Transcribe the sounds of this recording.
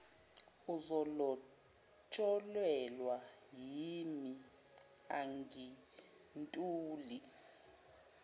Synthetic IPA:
uzɔlɔ | t͡ʃʰʼɔlwɛlwajiimi | aŋɡi | ntʼuːli

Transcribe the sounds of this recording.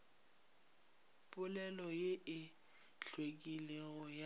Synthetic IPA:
pʼʊlɛlɔjeɪ | ɬwekʼileɣɔja

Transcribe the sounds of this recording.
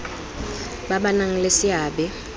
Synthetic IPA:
ɓaɓanaŋ̩lesiaːɓɛ

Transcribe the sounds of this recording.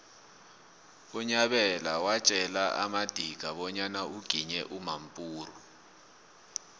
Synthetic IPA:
uɲaɓɛlawat͡ʃʼɛlaa̰mad̥ʱiɡ̥ʱaɓɔɲanauɡ̥ʱiɲɛʔumampʼuːru

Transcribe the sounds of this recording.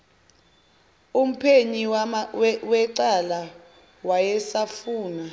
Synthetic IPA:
um̩pʰeɲi | wɛǀala | wajɛsafuːna

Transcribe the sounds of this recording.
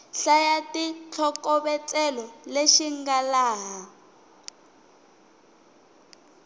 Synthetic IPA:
ɬajatit͡ɬʰɔkɔɓɛt͡sʼɛlɔleʃiŋɡalaːɦa

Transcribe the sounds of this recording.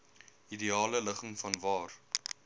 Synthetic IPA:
idiɑːlələχəŋfɐnvɑːr

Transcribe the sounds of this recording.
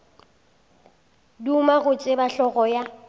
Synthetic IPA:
dumaɣʊt͡ʃʼɪbaɬɔɣɔja

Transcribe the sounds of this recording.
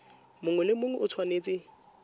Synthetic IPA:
mʊŋwɛlɪmʊŋɛʔʊt͡sʰwaneːt͡sʼɪ

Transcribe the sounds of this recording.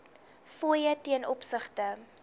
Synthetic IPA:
fuəjətiənʔɔpsəχtə

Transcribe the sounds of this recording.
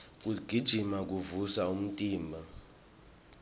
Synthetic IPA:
k̬ʼuɡ̥ʱid̥ʒ̥ʱimak̬uvusaum̩tʼiːmbʱa

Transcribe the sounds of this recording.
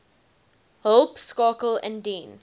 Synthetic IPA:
həlˠpskɑːkəlɛ̰̃ndĩːn

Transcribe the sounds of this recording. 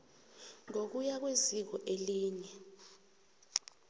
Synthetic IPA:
ŋok̬ujak̬wezik̬ɔʔeliːɲɛ

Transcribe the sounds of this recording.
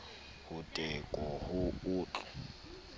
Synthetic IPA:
hʊtʼɛkʼɔhʊuːt͡ɬʼɔ̥

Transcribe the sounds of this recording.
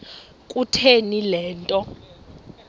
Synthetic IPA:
kʼutʰenilɛːntʼɔ

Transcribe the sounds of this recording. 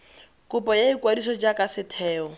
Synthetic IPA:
kʼʊpɔjaikʼwadisɔd͡ʒakʼasɪtʰɛːɔ

